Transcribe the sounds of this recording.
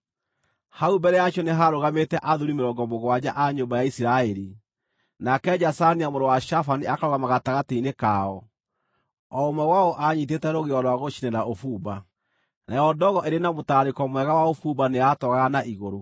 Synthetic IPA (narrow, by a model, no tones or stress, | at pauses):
haumbɛɾɛjaʃɔneɦaɾoɣametɛʔaðuɾimeɾɔːŋɡɔmoɣwad͡ʑaʔaɲombajaisiɾaɛɾi | nakɛd͡ʑasaniamoɾɔwaʃafaniakaɾoɣamaɣataɣateinekaɔ | ɔomɛwaoʔaɲit̬etɛɾoɣeɔɾwaɣoʃinɛnaofuːba | najɔdɔɣɔʔeɾenamotaɾekɔmwɛɣawaofubaneatɔɣaɣanaʔiɣoɾo